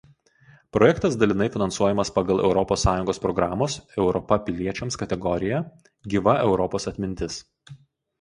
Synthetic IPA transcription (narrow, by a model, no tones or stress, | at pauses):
pɾɔjɛkt̪ɐsd̪ɐlʲɪnɐɪfʲɪnɐnsuɔjɛmɐspɐɡɐlˠɛ̰ʊɾɔpoːsːɑːjʊŋɡoːspɾɔɡɾɑːmoːsɛʊɾɔpɐpʲɪlʲiɛt͡ʃʲɛmskɐt̪ʲɛɡɔɾʲɪjɛ | ɡʲiʋɐʔɛʊɾɔpoːsɐt̪ʲmʲɪnʲt̪ʲɪs